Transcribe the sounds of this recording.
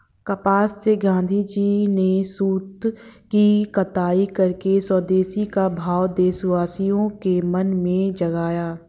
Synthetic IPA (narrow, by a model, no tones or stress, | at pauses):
kɐpaːsːeɡãːnd̪ʱid͡ʒiːnesuːt̪kikɐt̪aːikɐɾkesɔːd̪eːsikabʱaːwd̪eːswaːsijõkemɐnmẽd͡ʒɐɡaːjaː